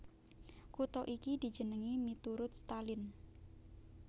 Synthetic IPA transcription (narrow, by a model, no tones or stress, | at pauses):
kut̪ɔʔikid̪̥i̤d͡ʒə̤nəŋimit̪uɾʊt̪̚st̪alɪn